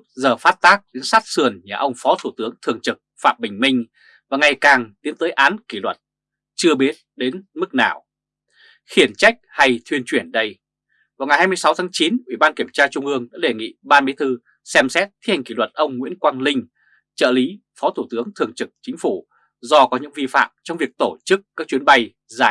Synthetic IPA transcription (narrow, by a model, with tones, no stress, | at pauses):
zəː˨˩faː˦˥t̚t̪aː˦˥k̚le˨˦nsaː˦˥t̚sɨ˨˩ənɲa̰ː˨˩ʔə˧wŋ͡mfɔ˨˦t̪ʰu˧˩t̪ɨ˨˦əŋt̪ʰɨ˨˩əŋt͡ɕɨ˨˩k̚fa̰ː˧˨mɓï˨˩ŋ̟mï˧ŋ̟ | vaː˨˩ŋa˨˩jkaː˨˩ŋt̪i˨˦ənt̪əː˨˦jʔaː˨˦nki˧˩lwə˨˩t̚ | t͡ɕɨ˧əɓi˦˥ət̚ɗe˨˦nmɨ˦˥k̚na̰ː˧˩w | xi˧˩ənt͡ɕa˦˥jk̚ha˧jt̪ʰwi˧ənt͡ɕwi˧˩ənɗə˧j | vaː˨˩wŋa˨˩jhaː˧m˧əjsa˨˦wt̪ʰaː˨˦ŋt͡ɕi˨˦nʔwi˧˩ɓaː˧nki˧˩əmt͡ɕaː˧t͡ɕʊ˧ŋ͡mʔɨ˧əŋɗa̰ː˧˥ɗe˨˩ŋḭ˧˨ɓaː˧nɓe˨˦t̪ʰɨ˧ | sɛ˧msɛ˦˥t̚t̪ʰi˦˥ha˨˩ŋkḭ˧˩lwə˨˩t̚ʔə˧wŋ͡mŋwḭ˧˥ənkwaː˧nlï˧ŋ̟ | t͡ɕə̰ː˧˨li˨˦ | fɔ˨˦t̪ʰu˧˩t̪ɨ˨˦əŋt̪ʰɨ˨˩əŋt͡ɕɨ˨˩k̚t͡ɕï˨˦ŋ̟fu˧˩ | zɔ˧kɔ˨˦ɲɨ̰˧˥ŋvi˧fa̰ː˧˨mt͡ɕɔ˧wŋ͡mvi˨˩ək̚t̪o˧˩t͡ɕɨ˦˥k̚kːa˦˥k̚t͡ɕi˨˦ənɓa˧j | zaː˧˩j